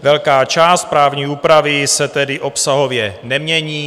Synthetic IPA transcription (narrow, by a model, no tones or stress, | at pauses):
vɛlkaːt͡ʃaːst̪̚pɾaːvɲiːuːpɾavɪsɛt̪ɛdɪʔo̞psaɦo̞vjɛnɛmɲɛɲiː